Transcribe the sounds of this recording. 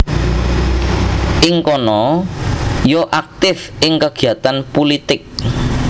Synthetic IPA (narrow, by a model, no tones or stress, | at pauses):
ʔɪŋkɔnɔ | joʔak̚t̪ɪfʔɪŋkəɡ̥i̤at̪anpulit̪ɪk̚